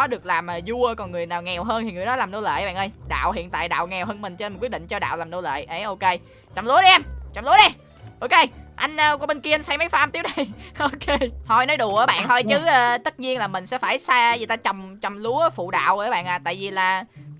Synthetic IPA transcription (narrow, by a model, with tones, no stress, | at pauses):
ɔ˨˦ɗɨ˨˩ək̚laː˨˩maː˨˩zu˧əkɔ˨˩nŋɨ˨˩əjnaː˨˩wŋɛ˨˩wɦəː˧nt̪ʰi˨˩ŋɨ˨˩əjɗɔ˨˦laː˨˩mno˧˩lḛː˧˨ʔɓa̰˧˨ʔə˧jɗa̰ː˧˨wɦḭ˧˨ənt̪a̰ː˧˨jɗa̰ː˧˨wŋɛ˨˩wɦəː˧nmï˨˩ŋ̟t͡ɕmi˨˩w̚ɗḭ˧˨ŋ̟t͡ɕɔ˧ɗa̰ː˧˨wlaː˨˩mno˧˦lḛː˧˨jʔə˨˦ʔo˧ke˧j | t͡ɕɔ˨˩ŋ͡mlu˨˦ə˦ɗi˧ʔɛ˧mt͡ɕɔ˨˩ŋ͡mlu˨˦ɗə˧˩ | ʔʔo˧ke˧jʔa˧jŋ̟ʔəː˧kwɓe˧nki˧nsa˧jmə˨˦jfaː˧mt̪i˦əw̚ɗə˧jʔo˧ke˧hɔ˧˩jnɔ˨˦jɗu˧˩ə˨˦ɓa̰ː˧˨nhʰɔ˧jt͡ɕɨ˨˦ʔəː˧˩t̪ə˦˥t̚ɲi˧ənlaː˨˩mï˨˩ŋ̟sɛ̰˧˥faː˧˩jsaː˧zi˨˩t̪aː˧t͡ɕɔ˨˩wŋ͡mt͡ɕɔ˨˩wŋ͡mlu˨˦əfṵ˧˨ɗa̰ː˧˨wʔə˧˦˨ɓa̰ː˧˨nʔaː˨˩t̪a̰ː˧˨jvi˨˩laː˨˩